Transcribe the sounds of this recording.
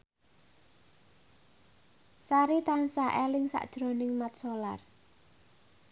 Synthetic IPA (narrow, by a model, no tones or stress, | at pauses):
saɾit̪ansaʔelɪŋsa̰ʔd̥ʒ̥ɾo̤nɪŋmat̪̚solar